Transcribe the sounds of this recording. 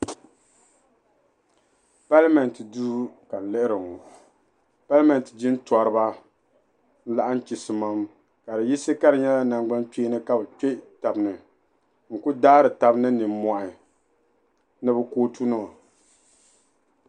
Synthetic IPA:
pa˦lmɛ˨n˨tɨ˨duː˦ka˨n̩˨lɨ˦ʔɨ˦ɾɨ˨ŋɔ˨ | pa˦lmɛ˨n˨tɨ˨d͡ʒi˦n˦tɔ˨ɾɨ˦ba˦ | n̩˦la˦ʔa˦n˦t͡ʃi˨sɨ˨ma˦m | ka˨dɨ˨ji˦sɨ˦ka˦ɾɨ˨ɲɛ˦la˦na˨ŋɡ͡ba˦nk͡peː˦nɨ˦ka˦bɨ˨k͡pe˦ta˨bɨ˨nɨ˨ | ŋ̩˨ku˦daː˦ɾɨ˨ta˨bnɨ˦nɨ˨mː˦ɔ˨ʔɪ˨ | nɨ˦bɨ˦koː˦tu˦nɨ˦a˨

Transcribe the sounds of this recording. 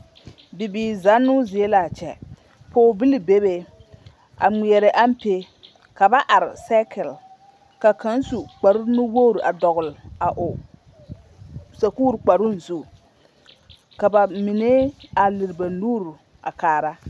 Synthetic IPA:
bi˨biː˨za˦nːʊ˦zɪ˨e˦la˨t͡ʃɛ̰˨ | poː˦bi˦li˨be˦be˦ | a̰˨mi˨ɛ˨ɾɪ˨ʔa˦m˦pe˦ | ka˨ba˦ʔa˨ɾɪ˨sa˦kʰɛ˨l | ka˨ka˨˦n˦su˨k͡pa˨ɾʊ˦nʊ˦wo˦ɾu˨ʔa˨dɔ˨ɣʊ˨la˨ʔʊ˨ | sa˨kuː˦ɾk͡pa˨ɾʊ˦n̩˨zu˦ | ka˨ba˨mi˨ne˦a˨lɪ˨ɾɪ˨ba˨nuː˦ɾu˨ | a̰˨kaː˨ɾa˦

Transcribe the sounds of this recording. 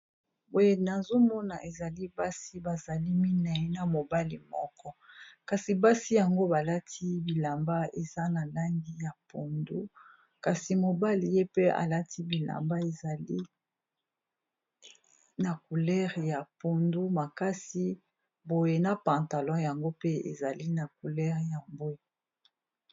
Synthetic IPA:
bo˨je˦na˨zo˦mɔ˦na˨ʔe˨za˨li˦ba˦si˦ba˨za˨li˦mi˦na˨i˦na˨mo˨ba˦li˨mɔ̰˦kɔ˦ka˨si˨ba˦si˦ja˨ŋɡo˦ba˨la˦tʰi˦bi˨la˨mba˦e˨za˦na˨la˦ŋɡi˦ja˨po˨ndu˦ | ka˨si˨mo˨ba˦li˨je˦pe˦a̰˨la˦tʰi˦bi˨la̰˨mba˦e˨za˨li˦ | na˨ku˨lɛ˦ʁja˨po˨ndu˦ma˨ka˦si˦ | bo˨je˨na˨pã˨ta˨lɔ̃˦ja˨ŋɡo˦pe˦ḛ˨za˨li˦na˨ku˨lɛ˦ʁja˨mbwe˨

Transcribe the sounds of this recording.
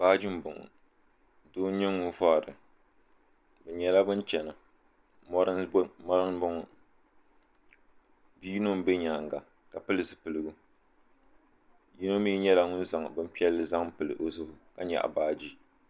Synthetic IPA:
b̥aː˦d͡ʒi˦m˦bʊ˨ŋʊ̰˨ | doː˦n˦ɲɛ˦ŋʊ˦nva˦˨ɾɨ̰˨ | bɛ˨ɲɛ˨la˦bɨ˦nt͡ʃɛ˨na˨ | mɔ˦ɾɨ˦mɔ˦ɾɨ˦ŋbʊ˦ŋʊ˨ | bi˦i˦no˦m˦bɛ˦ɲa˨ŋɡa˨ | ka˨pɨ˦lɨ˨sɨ˨pɨ˨lɨ˨ɡu˦ | ji˦no˦mi˦ɲɛ˦la˦ŋʊ˦n˦za˨ŋ˨bɨ˦m̩˦pi˦ɛ˦lːɨ˨za˦ŋpɨ˨lɨ̰˨ʔo˨zʊ˦hʊ˨ka˨ɲɛ̰˨ʔa̰˨baː˦d͡ʒi˦

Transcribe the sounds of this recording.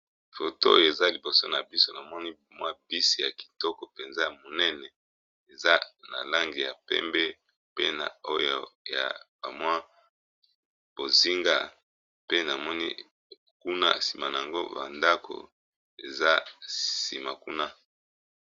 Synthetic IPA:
fo˨to˦o̰˦jo˨e˨za˦li˨bo˨so˦na˨bi˦so˦na˨mɔ˦ni˦˨mwa˦bi˦si˨ja˨ki̥˨tɔ˦kɔ˨pe˨nza˦ja˨mo˨nɛ˦nɛ˨ | e˨za˦na̰˨la˦ŋɡi˨ja̰˨pɛ̰˦mbɛ˦ | pe˦na̰˨o˦jo˨ja̰˨ba̰˨mwa˦ | b̥o˨zi˦ŋɡa˦ | pe˦na˨mɔ˦nḭ˦ | ku˦na̰˦si˨ma˨na˨a˨ŋɡo˦ba̰˨nda˦ko̰˨ | e˨za˦sḭ˨ma˨ku˦na˦

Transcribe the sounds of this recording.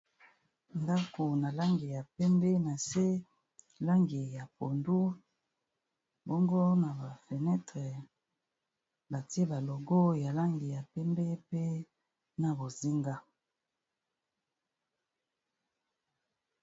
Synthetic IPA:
nda˦ko˨na˨la˦ŋɡi˨ja˨pɛ˦mbɛ˦na˨se˦ | la˦ŋɡi˨ja˨po˨ndu˦ | bo˦ŋɡo˦na˨ba˨fe˨nɛ˦tʁɛ˨ | ba˨ti˦e˦ba˨lɔ˨ɡɔ˦ja˨la˦ŋɡi˨ja˨pɛ˦mbɛ˦pe˦ | na˨bo˨zi˦ŋɡa˦

